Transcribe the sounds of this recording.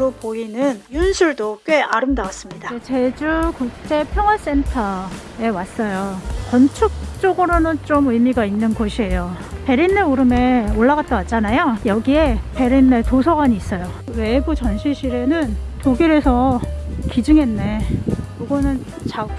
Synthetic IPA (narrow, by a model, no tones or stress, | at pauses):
ɾopoinɯnjunsʰuɭdok͈weaɾɯmdawas͈ɯmɲidat͡ɕe̞d͡ʑukuk̚t͡ɕ͈e̞pʰjʌŋwas͈e̞ntʰa | e̞was͈ʌjokʌnt͡ɕʰuk̚t͡ɕ͈oɡɯɾonɯnt͡ɕomɯjmiɡainːɯnɡoɕʰie̞jo | pe̞ɾinːeuɾɯme̞oɭːaɡat͈̚awat̚t͡ɕ͈anajojʌɡie̞pe̞ɾinːetosʰʌɡaɲiːs͈ʌjowe̞but͡ɕʌnɕʰiɕʰiɾe̞nɯntoɡiɾe̞sʰʌkid͡ʑɯŋe̞nːe̞kiɡʌnɯn | t͡ɕa